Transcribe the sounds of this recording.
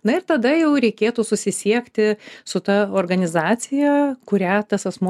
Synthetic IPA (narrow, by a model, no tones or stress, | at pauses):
nɐɪrt̪ɐd̪ɐjɛʊɾʲɛɪkʲeːt̪usʊsʲɪsʲiɛkt̪ʲɪsʊt̪ɐoːrɡɐnʲɪzɑːt̪t͡ssʲɪjɛkʊɾʲæːt̪ɐsɐsmo